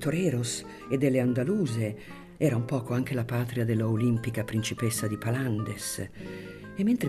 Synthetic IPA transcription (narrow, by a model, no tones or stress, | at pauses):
t̪oɾɛːɾos | ed̪ːelːeand̪aluːze | ɛːɾaumpɔːkoaŋk̟elapaːt̪ɾiad̪elːaolimpikapɾint͡ʃipesːad̪ipaland̪es | emːent̪ɾe